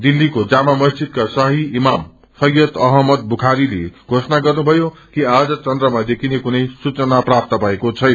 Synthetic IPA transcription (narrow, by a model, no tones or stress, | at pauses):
d̪ilːikod͡zamamʌst͡sid̪̚kasʌɦiimam | sʌjjʌt̪ʌɦʌmʌd̪bʱukʰaɾileɡ̥ʱosʌnaɡʌrnubʱʌjo | kiad͡zʌt͡sʌnd̪rʌmad̪ekʰinekunʌjsut͡sʌnaprap̚t̪ʌpaekot͡sʰʌjn